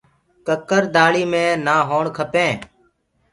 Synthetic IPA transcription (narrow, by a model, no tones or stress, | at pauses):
kəkəɾd̪aːɭiːmẽːnaːɦoːɳkʰəpẽː